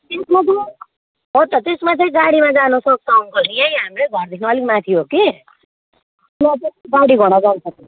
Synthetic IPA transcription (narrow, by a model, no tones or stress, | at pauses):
t̪esmat͡sʰʌ | ɦot̪ʌt̪esmat͡sʰʌĩd͡zaɽimãd͡zanʌsʌk̚sʌŋkʌlniejɦamɾeɡʱʌrd̪ikʰnʌːlik̚mat̪ʰiɦoki | lat̪ed͡zaɽiɡʱʌɽ̃ad͡zansʰʌki